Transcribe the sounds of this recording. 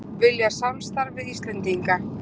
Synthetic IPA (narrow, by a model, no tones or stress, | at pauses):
vɪljasamst̪aɾvɪðist̪lɛnt̪iŋka